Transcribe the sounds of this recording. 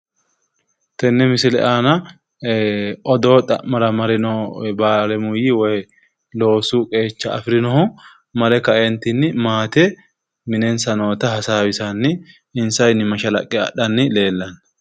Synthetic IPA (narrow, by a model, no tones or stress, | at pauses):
t̪ɛnːɛmɪsɪlɛ̰ʔaːnɐ | ʔɔd̪oːt̪ʼɐ̰mɐɾɐmɐɾɪnɔbaːlɛmʊjɪwɔj | lo̞ːsuːkʼe̞ːt͡ʃːɐːfɪɾɪnɔhʊ | mɐlɛkɐʔɛnt̪ɪnːɪmaːt̪ɛ | mɪnɛnsɐno̞ːt̪ɐhɐsaːwɪsanːɪ | ɪnsɐjnɪmɐʃɐlɐ̰kʼːɛɐ̰ɗɐnːɪle̞ːlːɐnɐ